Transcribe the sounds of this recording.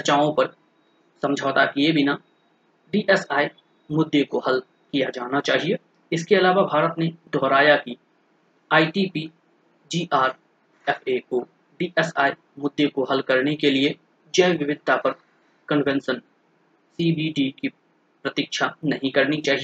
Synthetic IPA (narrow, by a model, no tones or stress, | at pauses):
sɐt͡ʃaːõpɐɾ | sɐ̃md͡ʒʱɔːt̪akiebʱɪna | ɖiːʔɛsaːi | mʊd̪ːekoɦɐl | kijad͡ʒaːnat͡ʃaːɦie | ɪskeɐlaːʋabʱaːɾət̪ned̪ʱɔːɾaːjaki | aːiʈipiː | d͡ʒiːʔaːɾ | ɛːfʰeko | ɖiːʔɛsa̰ːi | mʊd̪ʱːjekoɦɐlkɐɾnekelie | d͡ʒɐʋɪʋɪd̪̚ʱt̪apɐɾ | kə̃ɳʋɛ̃nsən | siːbiɖiki | pɾɐt̪ɪkʃʰanɐɦĩkɐɾnit͡ʃaːɦie